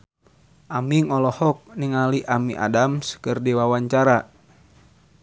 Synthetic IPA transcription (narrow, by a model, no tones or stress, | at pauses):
ʔamiŋɔlɔhɔk̚niŋaliʔamiʔa̰damskɨrdiwawaɲt͡ʃaɾa